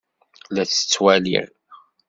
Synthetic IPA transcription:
læt͡sːə̥t͡sːwælḭɾ

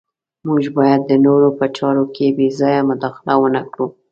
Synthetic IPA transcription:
muʒbɑjad̪ːənoɾopət͡ʃɑɾokʰebezɑjamʊd̪ɑxɪlawənakɽu

